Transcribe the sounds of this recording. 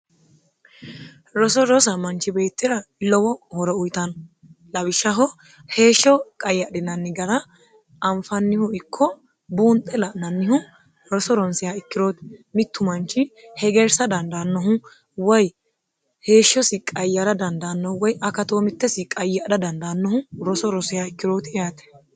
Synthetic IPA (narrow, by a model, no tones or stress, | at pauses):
ɾɔsɔɾɔs̬ɐmɐnt͡ʃːɪbe̞ːt̪ːɪɾɐlɔwɔhɔɾɔʊjt̪ɐn | lɐwɪʃːɐɦɔ | he̞ːʃːɔkʼɐjːɐd̪ɪnɐnːɪɡɐɾɐ | ʔɐɱfɐnːɪhʊɪkʰːɔ | buːnt̪ʼːɛlɐʔnɐnːɪhʊ | ɾɔsɔɾɔnsɪjaɪkːɪɾo̞ːt̪ɪ̥mɪt̪ːʊmɐnt͡ʃːɪhɛɡɛɾsɐd̪ɐnd̪ɐnːɔɦʊ | wɔj | he̞ːʃːɔsɪkʼɐjːɐɾɐd̪ɐnd̪ɐːnːɔhwɔjɐkɐt̪oːmɪt̪ːɛsɪkʼɐjːɐɗɐd̪ɐnd̪aːnːɔhʊɾɔsɔɾɔsɪjaɪkːɪɾo̞ːt̪ɪjaːt̪ɛ̥